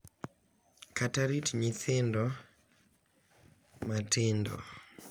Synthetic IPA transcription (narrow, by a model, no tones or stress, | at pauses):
kataɾitɲiθɪndɔ | matɪndɔ̰